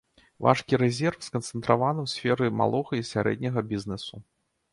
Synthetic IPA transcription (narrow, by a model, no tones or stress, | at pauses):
va̰ʂkʲiɾɛzʲɛrfskɐnt̪sɛnt̪ɾavanɨwsʲfʲɛɾɨma̰lˠɔɣɐisʲaɾɛ̰d̪̚ʲnʲɐɣɐbʲiznɛsu